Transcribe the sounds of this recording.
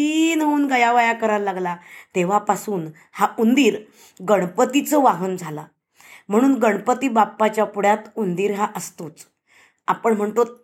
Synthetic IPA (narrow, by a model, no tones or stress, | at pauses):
inɦounɡəjaʋajakəɾaɾlaɡlat̪eʋ̤apasuːn | haund̪iːɾ | ɡəɽ̃pət̪it͡səʋaɦənd͡zʱala | m̤əɽ̃uːnɡəɽpət̪iːbapːat͡ɕjapuɽ̤jat̪und̪iːɾɦaʔəst̪ot͡s | apəɳm̤əɳt̪o